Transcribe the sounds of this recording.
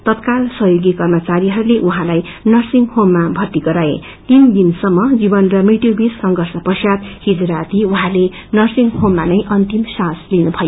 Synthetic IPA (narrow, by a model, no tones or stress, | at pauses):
t̪ʌt̪̚kalsʌɦjoɡikʌrmʌt͡saɾiɦʌɾuleʔuɦãlaj | nʌrsiŋɡhomːabʱʌrt̪iɡʌɾaḛ | t̪ind̪insʌmːʌd͡zibʌnrʌmiʈjobisːʌŋɡʌrsʌpʌsjad̪hid͡zuɾat̪iuɦãle | nʌrsiŋɡhomːanʌjʔʌnt̪imsãslinubʱʌjo